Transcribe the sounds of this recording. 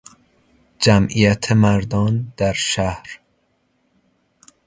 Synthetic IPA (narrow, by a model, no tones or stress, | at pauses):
d͡ʒæmʔijæt̪ʰemæɾd̪ɒːnd̪̥æɾʃæhɾ